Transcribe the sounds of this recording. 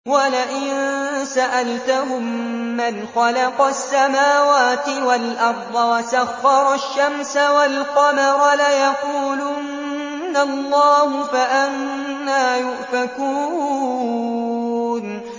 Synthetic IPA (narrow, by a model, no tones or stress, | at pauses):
walaʔɪnsaʔalt̪aɦʊmːanxɑlɑqɑsːamaːwaːt̪ɪwalʔɑɾˤd̪ˤɑwasaxːɑɾˤɑʃːamsawalqɑmɑɾˤɑlajaquːlun | nalˤːɑːhʊfaʔanː | aːjʊʔfakuː | n